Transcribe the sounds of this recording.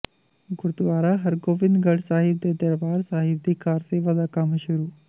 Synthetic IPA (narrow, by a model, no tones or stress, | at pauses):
ɡʊɾd̪ʋaːɾaɦɐɾɡoːʋɪnd̪ɡɐɽsaːɦɪb̚d̪eːd̪ɐɾbaːɾsaːɦɪb̚d̪iːkaːɾseʋɐd̪aːkɐmʃʊɾuː